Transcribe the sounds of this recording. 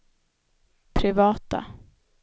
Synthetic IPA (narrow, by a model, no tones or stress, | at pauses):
pʰɾɪvɑːt̪a̰